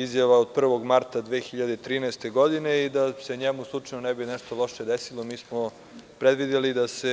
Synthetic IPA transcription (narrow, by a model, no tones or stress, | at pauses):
izjaʋaod̪̚pr̩ʋo̞ɡmaɾt̪ad̪ʋeːxiʎad̪eit̪ɾiːnaest̪e̞ɡo̞d̪ine̞id̪aseɲemuslˠut͡ʂanonebinɛʃt̪olo̞ʃed̪esilomiːsmo | pɾed̪ʋid̪elid̪ase